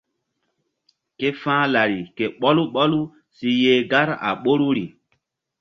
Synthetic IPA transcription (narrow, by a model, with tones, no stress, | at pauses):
ke˦fãː˦la˨ɾi˨ke˨ɓɔ˦lu˦ɓɔ˦lu˦ | si˦jeː˦ɡa˦ɾa̰˨ɓo˦ɾu˦ɾi˨